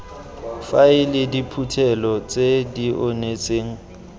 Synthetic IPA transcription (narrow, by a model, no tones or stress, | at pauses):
faɪlɪdipʰutʰɛlɔt͡sʼediʔʊnet͡sʼeːŋ̩